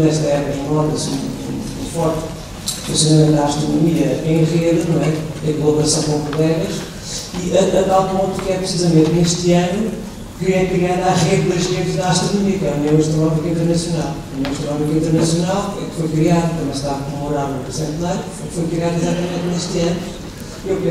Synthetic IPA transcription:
nɛʃt̪ɐɛpukɐ̃nɔt̪ɐsĩṵ̃ | ũfɔɾt̪ | ut̪ɐsunɐmẽt̪aːʃt̪ɾunumiɐẽj̃ʁeðɨnɐ̃w̃ɛẽkulˠɐβɾɐsɐ̃w̃kõkulˠɛɣɐʃ | iɐʔɐt̪alˠpõnt̪ukɛpɾsizɐmẽnt̪neʃt̪ɨɐnu | kɨɛkɾiaðaʁeððɐʒʁeðʒðɐaʃt̪ɾunumiɐkɛɐnɛ̃wɐʃt̪ɾunɔmikɐĩnt̪ɾnɐsijunalˠɐmɐwɐʃt̪ɾunɔmikɐĩnt̪ɨɾnɐsjunalˠɛ̰kfojkɾiaðɐt̪ɐmɐ̃j̃ʃt̪avɐkũmuɾaɾɐ̃psẽnt̪lˠɐj | ɛkfojkɾiaðizat̪ɐmẽnt̪neʃt̪ɐnu | ewpẽ

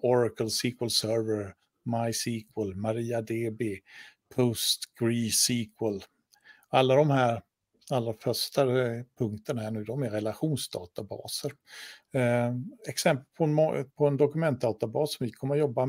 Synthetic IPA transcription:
ɔɾakəlsiːkwəlsœɾvəɾ | majsiːkʰwəlmaɾiːad̪eːbɪpʰɔst̪ɡ̥ɾiːsiːkʰwəl | alːad̪ɔmhæːɾ | alːɾafœʂʈapʰɵŋkt̪ənahæːɳʉ̟ːd̪ɔmɛɾɛlaɧuːnsd̪ɑ̰ːt̪abɑ̰ːsəɾ | ɛksɛmpəlpʰɔnɔpʰɔɛnd̪ɔkɵmɛnt̪̚d̪ɑːt̪abɑːsːɔmvɪkʰɔmːəɾjɔbːa

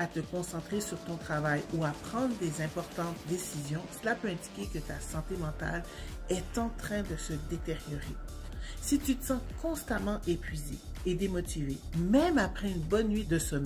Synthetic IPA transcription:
at̪əkɔ̃sɑ̃t̪χesyʁt̪ɔ̃t̪χavajuapχɑ̃d̪ʁd̪ezɛ̃pɔʁt̪ɑ̃t̪̚d̪esizjɔ̃səlapøɛ̃d̪ikʲekət̪asɑ̃t̪emɑ̃t̪a̰l | ɛt̪ɑ̃t̪χɛ̃d̪əsəd̪et̪eʁjɔʁesit̪yt̪əsɑ̃kɔ̃st̪amɑ̃ʔepʰɥizḛː | d̪emɔt̪ivemɛmapχɛynbɔnːɥid̪əsɔmɛ

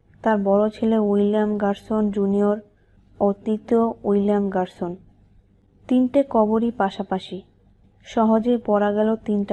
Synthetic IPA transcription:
t̪aɾbɔɾot͡ɕʰeleujliamɡaɾsond͡ʑunioɾ | ot̪it̪oujliamɡaɾson | t̪inʈekɔboɾipaʃapaʃi | ʃɔɦod͡ʑepɔɾaɡɛlot̪inʈa

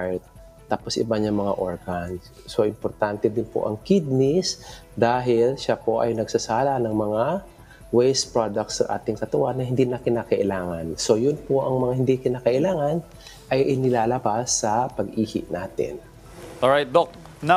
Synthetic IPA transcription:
ɹt̪̚ | t̪ːaːposɪ̰baɲaŋmɐŋa̰ʔoɹɡan | so̞ʔɪmpoɾt̪ant̪ɛd̪ɪnpo̰ʔɐ̰ŋkɪd̪̚nɪsd̪aːɦɪlʃapo̞ʔɐ̰jnɐɡsɐsaːlɐnɐŋmɐŋa | wejspɹod̪ɐk̚t̪sɐ̰ŋʔa̰ːt̪ɪŋkɐt̪ɐwanːɐɦɪnd̪inɐkɪnakɐʔɪlaːŋɐnso̞jʊnpoʔɐŋmɐŋahɪnd̪ikɪnaːkɐʔɪlaːŋɐn | ʔɐjʔɪnɪlaːlɐbasːɐpɐɡʔiːhɪ̰ʔnaːt̪ɪ̰n | oɹajt̪̚d̪ok̚ | n

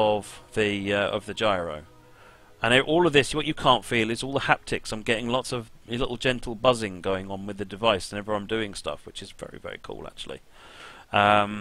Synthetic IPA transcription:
əvðiʌə̰vðɨd͡ʒaɪɹə̰ʊ | ə̃nəʔɔːlˠʌvðɪswʌt͡ʃɨkʰɑ̃ˑntfiːlˠɨzɔlˠðəhæp̚tʰɪksãɪ̃mɡɛɾɪ̃ŋlɒtsʌvlɪʔl̩ˠd͡ʒɛ̃ntʰˡl̩ˠbʌzɪ̃ŋɡəʊɪ̃ŋə̃nwɨðɨdɨvaɪsə̃nɛvə˞ãɪ̃mdʉɪ̃ŋstʌ̰fwɨt͡ʃɨzvɛ̰ɹḭvɛ̰ɹḭkʰṵːlˠæ̰k̚t͡ʃul̩ˠḭ | ʌ̃m

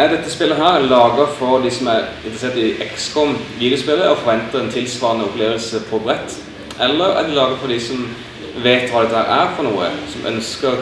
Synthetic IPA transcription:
æɾd̪ɛt̪ːəspɪlːəɦæːɾɛnlɑːɡəfɔɾd̪isɔmæɾɪnt̪ɾəseːʁt̪ɪʔɛkskɔmʋiːd̪ɪʊspɪlːəɔfɔɾʋɛnt̪əɛnt̪ʰɪlsʋɑːʁənəʊpleːʋəlsəpʰɔbɾɛt̪ː | ʔɛlːəɾæ̰d̪ɛlɑːɡəfɔd̪ɪsɔm | ʋeːt̪ʋɑːd̪ɛt̪ːəhæːɾæːɾfɔɾnuːə̰sɔmʔœ̰nskə

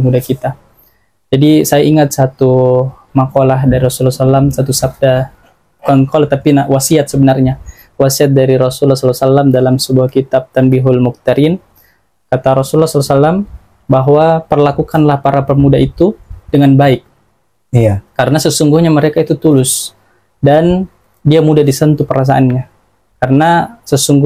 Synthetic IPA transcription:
mudakit̪a | d͡ʒadisajaiŋat̪̚sat̪u | makolahdaɾiɾɔsulːasalamsat̪usab̚da | p̪əŋkolaht̪apinawasiat̪̚səbənarɲa | wasiat̪̚daɾiɾosulːasɔlasalamdalamsəbuahkit̪ap̚t̪ambiɦʊlmuk̚t̪aɾɪn | kat̪aɾɔsulːɔhsɔlasalam | baɦwapərlakukanlahpaɾapərmudait̪udəŋanbaɪk̚ | aːaɾənasəsuŋɡuhɲaməɾekait̪ut̪ulʊs | dan | diamudadisənt̪upəɾas̬aʔanɲa | karənasəsuŋɡ

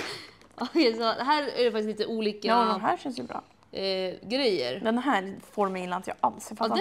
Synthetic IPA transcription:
ʔɑjɛsɑːd̪ɛɦæːɾæ̰ɖɛfak̚t̪ɪsiːt̪əʔuːlikːaaɦæːɕɛnsjəbɾɑ̰ː | ɡɾɛjːə̰ɾjɑd̪ɦæːɾfoːɾmɛjɪnant̪ʰjɑːʔalseːɾfatd̪

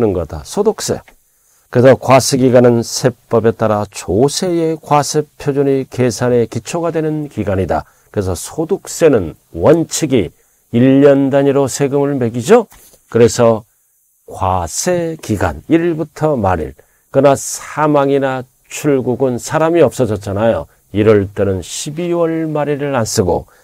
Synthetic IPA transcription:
nɯnɡʌda̰sʰodok̚s͈e̞̰ | kɯɾesʰʌkwasʰe̞ɡiɡanɯnsʰe̞p͈ʌbe̞t͈aɾat͡ɕosʰe̞jekwasʰe̞pʰjod͡ʑoɲike̞sʰane̞kit͡ɕʰoɡadwe̞nɯnkiɡaɲida̰ | kɯɾe̞sʰʌsʰodok̚s͈e̞nɯn | wʌnt͡ɕʰiɡi | iʎːʌndaɲiɾosʰe̞ɡɯmɯɭme̞ɡid͡ʑo | kɯɾe̞sʰʌ | kwasʰe̞kiɡa̰niɾiɭbutʰʌmaɾḭɭ | kɯnasʰamaŋina | t͡ɕʰuɭɡuɡɯnsʰaɾamiʌp̚s͈ʌd͡ʑʌt͡ɕ͈anajo̰ | iɾʌɭt͈enɯnɕʰibiwʌɭmaɾiɾɯɾans͈ɯɡo̰

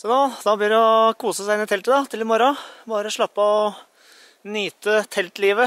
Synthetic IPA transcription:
sɔnod̪ɑblɪd̪ɛɔkʰuːsəsæɪɪnɪt̪ʰɛlt̪əd̪ɑt̪ʰɪlmɔɾɔbɑːɾəɔʂɭɑpːɑɔ | nyːt̪ət̪ʰɛlt̪liːʋə

